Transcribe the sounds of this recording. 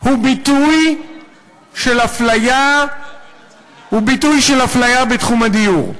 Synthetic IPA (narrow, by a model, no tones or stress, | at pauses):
hubituj | ʃelaflaja | hubitujʃelaflajabetχumadijuʁ